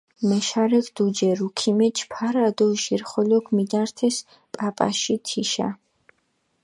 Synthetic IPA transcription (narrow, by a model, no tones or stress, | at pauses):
mɛʃaɾɛkʰd̪ud͡ʒɛɾukʰimɛt͡ʃʰpʰaɾad̪ɔʃiɾχɔlɔkʰmid̪aɾt̪ʰɛs | pʼapʼa̰ʃit̪ʰiʃa̰